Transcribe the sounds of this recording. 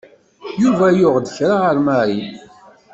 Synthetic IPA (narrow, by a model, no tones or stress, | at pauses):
juvæjʊʁd̪əçɾaəɾmaɾi